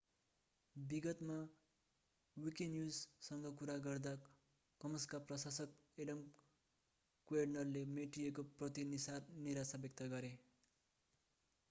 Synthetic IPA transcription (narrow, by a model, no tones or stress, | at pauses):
biɡʌt̪ma | wikenjuzsʌŋɡʌkuɾaɡʌrd̪a | kʌmʌskaprʌsasʌkeɖʌm | kwernʌrlemeʈiekoprʌt̪inisaniɾasabjʌk̚t̪ʌɡʌɾe